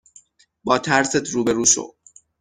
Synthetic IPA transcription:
bɒːt̪ʰæɾset̪ʰɾuːbe̞ɾuːʃo̰

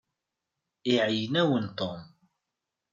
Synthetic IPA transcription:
ɪʕəjnæwənt̪om

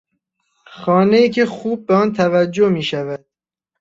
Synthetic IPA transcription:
xɒːnejiːcʰexuːb̚ːeɒːnt̪ʰævæd͡ʒːomiːʃævæd̪̥̚

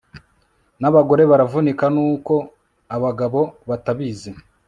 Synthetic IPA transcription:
naβaɡo̞ɾe̞βaɾavunikanuːko̞ | aβaɡaβo̞βataβiːze

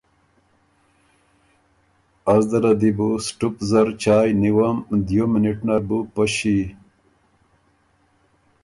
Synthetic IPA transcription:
ɐzd̪ɐɾɐd̪ibusʈupzɐɾt͡ɕaːjniwɐmd̪jominiʈnɐɾbupɐɕi

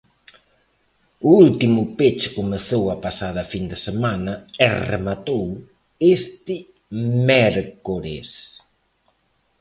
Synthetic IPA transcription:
ʊult̪imʊpet͡ʃɪ̥komeθowɐpasað̞ɐfind̪ɪsemanɐɛrḛmat̪ow | est̪ɪ | mɛɾkoɾḛs

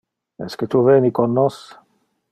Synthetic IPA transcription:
ɛ̰sket̪uveːnikonːɔs

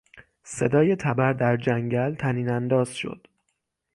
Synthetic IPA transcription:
se̞d̪ɒːje̞t̪ʰæbæɾd̪æɾd͡ʒæŋɟælt̪ʰæniːnænd̪ɒːz̥ʃo̞̰d̪̥

